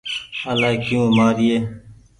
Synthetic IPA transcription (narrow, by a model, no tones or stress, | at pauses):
əlaːkjũːmaːɾɪjeː